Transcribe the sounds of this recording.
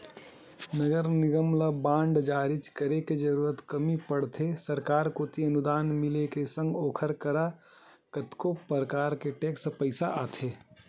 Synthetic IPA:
nəɡəɾnɪɡəmlabãːɳɖd͡ʒaːɾɪt͡ʃkəɾeked͡ʒɐɾuːɾət̪kɐmipɐɽt̪ʰesɐɾkaːɾkot̪iɐnʊd̪aːnmɪlekesə̃ŋɡoːkʰəɾkəɾa | kət̪kopəɾkaːɾkeʈeːkspəɪsaʔaːt̪ʰeː

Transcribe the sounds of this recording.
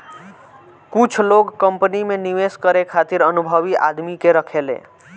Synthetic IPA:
kʊt͡ʃʰloːɡkəmpənimẽniʋeskəɾekʰaːt̪ɪɾənʊbʱəʋiʔa̰ːd̪mikeɾəkʰelḛ̃ː

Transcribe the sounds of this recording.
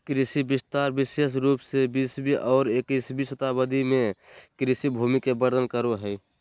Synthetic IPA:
kɾɪsibɪst̪aɾbɪseʃ̬ɾuːpsebiːsbiʔɔːɾekiːsbisət̪abəd̪ʱimẽkɾisibʱumikebəɾd̪ʱənkəɾoɦɛj

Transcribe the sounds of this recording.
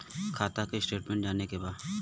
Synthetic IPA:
kʰaːt̪akeɪsʈeːʈmɛ̃ɳʈd͡ʒaːnekebaːd̪

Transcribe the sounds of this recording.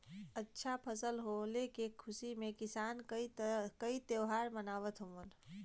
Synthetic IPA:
ətːʃʰapʰəsəlɦolekẽkʰːʊsimẽkɪsaːnikəit̪eʊɦaːɾmənaːʋət̪ɦomən

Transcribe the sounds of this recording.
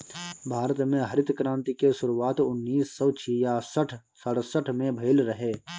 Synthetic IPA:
bʱaːɾət̪mẽɦəɾɪt̪kɾãːnt̪ikesʊɾuaːt̪ʊnːiːsːɔt͡ʃʰijasəʈʰ | səɽsəʈʰmẽbʱəɪlɾəɦeː

